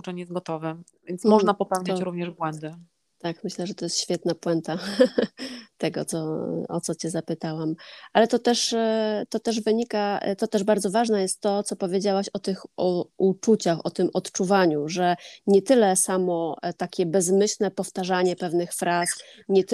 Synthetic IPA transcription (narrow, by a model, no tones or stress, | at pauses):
ut͡ʂɛɲɛjɛs̚ɡɔt̪ɔvɛvʲjɛnsmɔʐnapɔpɛw̃t̪d͡ʑ̪t͡ɕɾuvɲɛʐbwɛnd̪ɘ | t̪akmɘɕlɛʐɛt̪ɔjɛst̪ɕfʲjɛt̪napwɛnt̪a | t̪ɛɡɔt̪sɔ̰ɔt̪sɔt͡ɕɛzapɘt̪awamʔalɛt̪ɔt̪ɛʂt̪ɔt̪ɛʐvɘɲika̰t̪ɔt̪ɛʐbaɾd̪zɔvaʐnɛjɛst̪ːɔt̪sɔpɔvʲjed͡ʑawaɕɔt̪ɘxut͡ʂut͡ɕaxɔt̪ɘmɔt̪t͡ʂuvaɲuʐɛɲɛt̪ɘlɛsamɔt̪akʲɛbɛzmɘɕlnɛpɔft̪aʐaɲɛpɛvnɘxfɾasɲɛt̪